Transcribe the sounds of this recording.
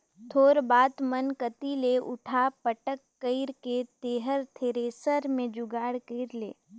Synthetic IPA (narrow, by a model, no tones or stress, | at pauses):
t̪ʰoːɾbaːt̪mənkət̪ileʊ̰ʈʰapəʈəkːəɪɾket̪eːɦəɾt̪ʰeːɾeːsəɾmẽd͡ʒʊɡaːɽkeɪɾlḛː